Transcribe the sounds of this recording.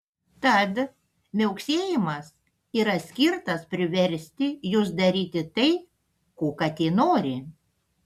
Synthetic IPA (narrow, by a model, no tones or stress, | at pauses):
t̪ɐt̪ | mʲɛʊksʲeːjɪmɐs | iːɾɐsʲkʲɪɾt̪ɐspʲɾʲɪʋʲɛɾʲsʲt̪ʲɪjʊsd̪ɐɾʲiːt̪ʲɪt̪ɐɪ | koːkɐt̪ʲeːnoːɾʲɪ